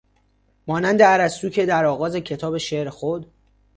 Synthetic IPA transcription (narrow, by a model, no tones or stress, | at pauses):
mɒːnænd̪eæɾæst̪uːcʰe̞d̪æɾɒːɣɒːze̞cʰe̞t̪ʰɒːbe̞ʃe̞ʔɾxod̪